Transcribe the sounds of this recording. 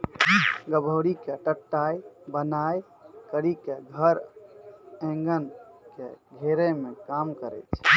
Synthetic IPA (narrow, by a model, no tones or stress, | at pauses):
ɡəbʱəːɾikeʈəʈːaːebənaːj | kəɾikeɡʱəɾ | ẽŋɡənkeɡʱeɾemẽkaːmkəɾɛ̰t͡ʃʰ